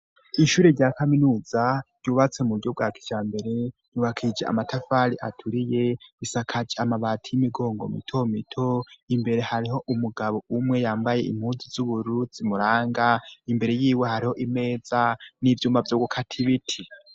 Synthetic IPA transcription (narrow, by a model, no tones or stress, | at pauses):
iʃuːɾeɾɟaːkaminuːz̥ajuːβat͡se̞muɾɟo̞b̚ɡaːkʰi̥t͡ʃaːmbe̞ɾe̞juːβakʰid͡ʒeʔa̰matʰafaɾiʔa̰tʰuɾije̞βisakʰad͡ʒeamaβaːtʰijimiɡo̞ːŋɡo̰mḭtʰo̞mitʰo̞imbe̞ɾe̞haɾiɦo̞ʔumuɡaβo̞umŋe̞jaːmbaje̞ʔḭm̥huːnzizuβuɾuz̥imuɾaːŋɡaimbe̞ɾe̞jiːwe̞haɾiho̞ʔime̞ːz̥anivjuːmbavjoːɡukʰatʰiβitʰi